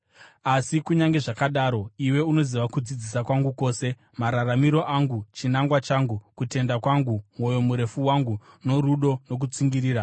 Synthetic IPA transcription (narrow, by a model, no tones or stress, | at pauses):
asikuɲaŋɡe̞ʐakaɗaːɾo̞iwe̞uno̞ziʋakud͡zid͡zisakwaŋɡuko̞ːse̞ | maɾaramiɾo̞ʔaŋɡut͡ʃinaŋɡwat͡ʃaŋɡukute̞ndakwaŋɡumwo̞jo̞muɾe̞fuwaŋɡu | no̞ɾuɗo̞no̞k̬ut͡siŋɡiriːɾa